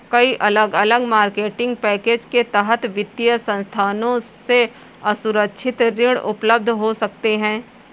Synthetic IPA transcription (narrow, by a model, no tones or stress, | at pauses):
kɐiʔɐləɡɐləɡmaːɾkeːʈɪ̃ŋɡ̚pɛːkeːd͡ʒket̪əɦət̪ʋɪd̪jəsɐ̃nst̪ʰaːnõse | ɐsʊɾəkʃʰɪt̪ɾɪɽʊpləb̚d̪ʱɦosɐk̚t̪eɦɛ̃ː